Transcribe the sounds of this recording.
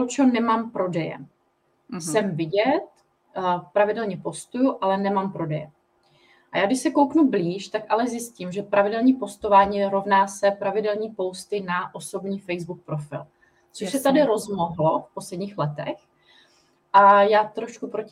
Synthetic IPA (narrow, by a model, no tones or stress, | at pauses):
ot͡ʃonɛmaːmpɾo̞dɛjɛ̰ | sɛmvɪɟɛt̪ | pɾavɪdɛlɲɛpo̞st̪ujuʔalɛnɛmaːmpɾo̞dɛjɛ̰ | ʔajaːɡdɪʃsɛko̞wknubliːʃt̪akʔalɛzjɪscimʒɛpɾavɪdɛlɲiːpo̞st̪ovaːɲiːɾo̞vnaːsɛpɾavɪdɛlɲiːpo̞wst̪ɪnaʔo̞so̞bɲiːfɛjzbuk̚pɾofɪ̰l | t͡soʃsɛt̪adɪɾo̞zmoɦlofpo̞slɛdɲiːxlɛt̪ɛ̰x | ʔajaːt̪ɾo̞ʃkupɾoc